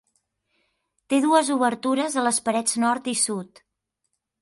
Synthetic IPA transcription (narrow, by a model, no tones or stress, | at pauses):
t̪eðuəzuβəɾt̪uɾəzələspəɾɛd͡znɔɾt̪isut̪